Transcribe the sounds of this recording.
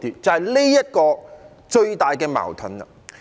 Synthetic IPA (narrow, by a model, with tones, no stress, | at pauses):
t̪iː˨˩t͡sɐ˨˩hɐ˨˩jle˥jjɐ˥t̚kɔː˧ | t͡ʃɵ˧ɥt̪aː˨jkɛː˧ma̰ː˨˩wt̪ʰɵ˨˥nɐ̰˧